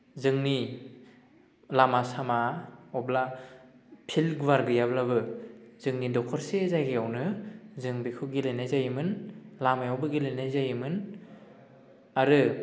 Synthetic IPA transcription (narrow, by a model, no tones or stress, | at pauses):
zɯŋni | lamasamaɔbla | pʰilɡwaɾɡɯjablabɯzɯŋnidɔkʰɔɾsezajɡiawnɯzɯŋbikʰuɡilejnajzajimɯnlamajɔwbɯɡilejnajzajɯmɯn | aɾɯ